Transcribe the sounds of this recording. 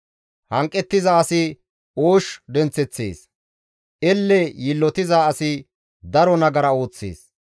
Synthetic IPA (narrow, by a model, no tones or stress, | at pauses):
hɐŋkʼːɛt̪ːɪzaːsɪ | oːʃd̪ɛnt͡sːɛt͡sːḛːs | ʔɛlːɛjɪlːɔt̪ɪzaːsɪ | d̪ɐɾɔnɐɡɐɾɐo̞ːt͡sːḛːs